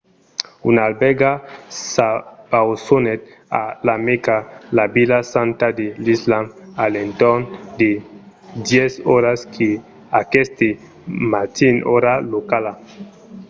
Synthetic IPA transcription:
unalbɛɡasabawsonet̪̚ | a̰lamekalabilasant̪ad̪elislamalent̪oʁnd̪e | d̪jɛsoɾaskʰe | akest̪e | mat̪inoɾalokala

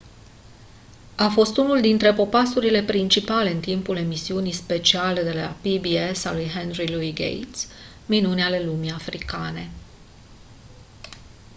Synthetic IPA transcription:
afo̞st̪unuld̪int̪ɾe̞po̞pasuɾile̞pɾint͡ʃipale̞ɨnt̪impule̞misiunijspe̞t͡ʃiale̞d̪e̞lapibiesalujɦenɾiluiɡḛjt̪s | minuneale̞lumiafɾikane̞

